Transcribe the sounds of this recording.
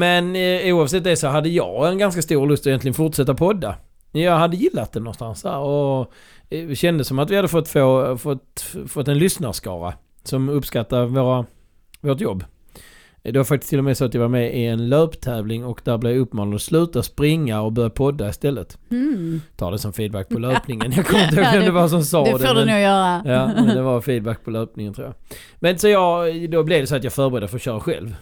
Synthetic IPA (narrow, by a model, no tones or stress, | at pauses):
mɛnuːɑvsɛt̪̚ːd̪ɛsɔɦad̪ːəjɑ̰ːɡɛnɡanskast̪uːɾlɵst̪ɔɛjɛnt̪lɪɡənfʊʈʂɛt̪ːapʰɔd̪ːa | jɑɦad̪ːəjɪlːat̪̚d̪ɛnɔnst̪ansd̪æːɾɔ | ɕɛnd̪əsːɔmat̪vɪhad̪ːəfɔt̪ːfoːfɔt̪fɔt̪ːɛnlʏsnaɾʂkɑ̰ːɾa̰ | sɔmɵpskat̪ːaɾvoːɾa | voːʈ̬jɔbː | d̪ɛvaɾfak̚t̪ɪ̥st̪ʰɪlːɔmɛsɔːat̪javaɾmɛʔɪɛnløːpt̪ʰɛːvlɪŋɔkd̪æɾblɛvjaɵpːmɑːnad̪ɔslʉ̟ːt̪aspɾɪŋːaɔkbœɾjapʰɔd̪ːaɪst̪ɛlːət̪ | t̪ʰɑ̰ːdɛsɔmfiːd̪̚bæk̚ːpʰɔløːpnɪŋənjɑkʰɔmːɪnəhoːɡɡɔmd̪ɛvas̬ɔmsɑːd̪ɛdɛnuːjœːɾajɑːd̪ɛvaɾfiːd̪̚bæk̚pʰɔløːpnɪŋənt̪ʰɾṵːja̰ | mɛnsɔjɑɡd̪ɔblɛvd̪ɛsɔat̪jɑːɡfœɾbəɾɛd̪əfɔɾɔɕœːɾaɧɛ̰lv